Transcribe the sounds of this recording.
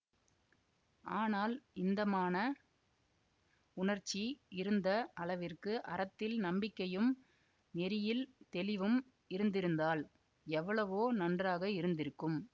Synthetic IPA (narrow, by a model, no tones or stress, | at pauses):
aːnaːlɪnd̪ɐmaːnɐ | ʊɳɐɾt͡ʃːiɪɾɯnd̪ɐʔɐɭɐʋɪrkɯʔɐɾɐt̪ːɪlnɐmbɪkːɐjɯm | nɛɾɪjɪlt̪ɛlɪʋɯm | ɪɾɯnd̪ɪɾɯnd̪aːl | ɛʋːɐɭɐʋoːnɐndraːɣɐɪɾɯnd̪ɪɾɯkːɯm